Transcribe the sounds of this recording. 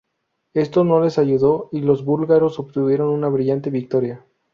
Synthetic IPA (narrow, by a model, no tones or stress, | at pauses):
e̞st̪o̞no̞le̞saʝuðo̞ilo̞zβulɣaɾo̞soβt̪uβje̞ɾo̞nunaβɾiʝant̪e̞βik̚t̪o̞ɾja